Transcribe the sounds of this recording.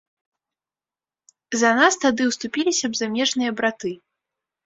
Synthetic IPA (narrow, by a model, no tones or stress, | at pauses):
zɐnast̪ad̪ɨwst̪upʲilʲisʲɐbzamʲɛʐn̪ɨjɐbɾat̪ɨ